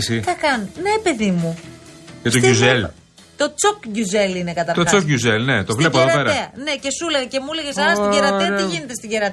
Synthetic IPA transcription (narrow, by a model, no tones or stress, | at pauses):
sik̪ɐkɐnne̞pe̞ðimucet̪oʝuzel | t̪o̞t͡sokʝuze̞linekɐt̪ɐt̪ot͡sokʝuzelne̞t̪ovle̞p̬oððopeɾɐeɐne̞ce̞suleɣɐcemuleʝesɐnɐst̪eɾɐtɐiʝine̞t̪e̞st̪iɟeɾɐt̪e